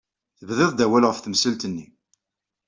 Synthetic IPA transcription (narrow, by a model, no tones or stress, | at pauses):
θəvðɪðˤd̪æwælʁəfθəmsəlt̪ənːi